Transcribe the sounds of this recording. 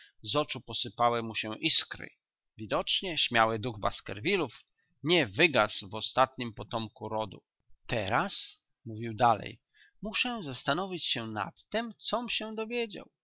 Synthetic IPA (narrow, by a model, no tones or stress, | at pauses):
zɔt͡ʂupɔsɘpawɛmuɕɛʔiskɾɘ̰ | vʲid̪ɔt͡ʂɲɛɕmʲjawɘd̪uɣba̰skɛ̰ɾvʲiluf | ɲɛvɘɡasvɔst̪at̪ɲimpɔt̪ɔmkuɾɔd̪ṵ | t̪ɛɾas | muvʲiwd̪alɛ̰j | muʂɛ̃zast̪anɔvʲit͡ɕɕɛna̰t̪ːɛmt̪sɔmɕɛd̪ɔvʲjed͡ʑa̰w